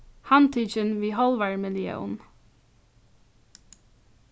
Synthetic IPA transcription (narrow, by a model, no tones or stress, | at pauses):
hant̪ʰiːt͡ʃɪnʋiːɦɔlˠʋaɹmɪlɪɛ̰ʊn